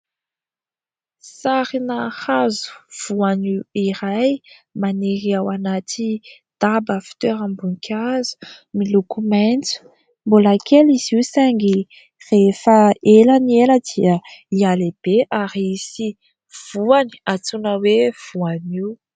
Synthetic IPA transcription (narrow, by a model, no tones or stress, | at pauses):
saɾinahazu̥v̥uaniiɾajmaniɾiawanat̪ʰi | d̪̥abəfi̥t̪øɾambuŋkʰʲazu̥ | milukumant͡su̥ | mbolakʰeliz̥iwsaŋɡi | refəelanieləd̪iəialeb̥eʔaɾisi | v̥uani̥at͡sunəwev̥uaniw